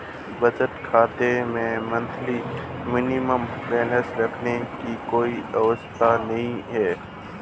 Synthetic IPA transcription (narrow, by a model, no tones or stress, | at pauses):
bɐd͡ʒəʈ̪kʰaːt̪emẽmɐ̃nt̪ʰlimɪnɪməmbɛːnəsɾɐkʰnekikoːiɐʋəst̪ʰanɐɦĩɦɛː